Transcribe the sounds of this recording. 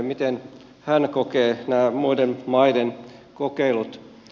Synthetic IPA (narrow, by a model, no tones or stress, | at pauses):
mit̪en | hænkokeːnæːmuidenmɑidenkokeilut̪